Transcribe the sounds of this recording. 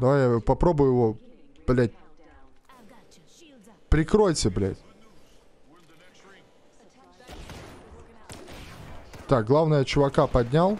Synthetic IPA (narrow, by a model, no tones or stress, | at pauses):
d̪ɐvajjapɐpɾo̞bʊjʊjɪvob̥lʲæt̚ʲ | pɾʲɪkɾojt͡sʲɪblʲæ̰tʲ | t̪ak̚ɡlˠavnəjət͡ɕʊvɐkapɐdʲnʲalˠ